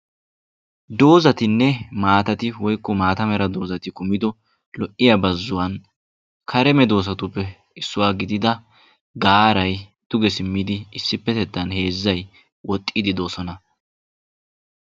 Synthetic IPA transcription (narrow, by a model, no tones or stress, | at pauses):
d̪o̞ːzɐt̪ɪnːɛmaːt̪ɐt̪ɪwɔjkːɔmaːt̪ɐmɛɾɐd̪o̞ːzɐt̪ɪkʊmɪd̪ɔ | lɔʔːɪjabɐzːʊwɐn | kʰɐɾɛmɛd̪o̞ːs̬ɐt̪ʊpːɛ | ɪsːʊwaːɡɪd̪ɪd̪ɐ | ɡaːɾɐjd̪̥ʊɡɛsɪmːɪd̪ɪɪsːɪpːɛt̪ɛt̪ːɐnhe̞ːzːɐj | wɔt̪ʼːid̪ɪd̪oːsɔnɐ